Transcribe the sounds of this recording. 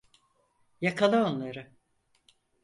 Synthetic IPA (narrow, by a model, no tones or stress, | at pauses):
jakʰalˠɯo̞nlˠaɾɯ